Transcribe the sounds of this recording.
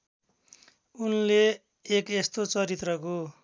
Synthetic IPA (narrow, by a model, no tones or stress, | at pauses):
unleː | kest̪ot͡sʌɾit̪rʌko